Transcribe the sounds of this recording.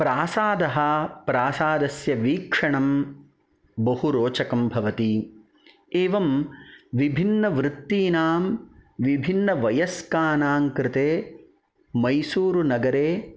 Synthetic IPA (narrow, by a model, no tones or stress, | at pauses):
pɾaːsaːd̪ɐɦɐpɾaːsaːd̪ɐsjɐʋiːkʂɐɳɐm | bɐhuɾoːt͡ʃɐkɐmbʱɐʋɐt̪i | eːʋɐmʋibʱinːɐʋɾɪt̪ːiːnaːmʋibʱinːɐʋɐjɐskaːnaːŋkɾɪt̪eː | mɐjsuːɾunɐɡɐɾeː